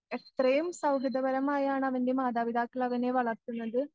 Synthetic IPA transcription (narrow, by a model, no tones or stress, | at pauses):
ɛkt̪ɾɐjɯmsɐʊɣɪðɐʋɐɾɐmaːjaːnaʋɐɳɖimaːd̪aːʋɪðaːkːɐlɐːʋɐneːʋɐɭɐɾt̪ɯnːɐðɯ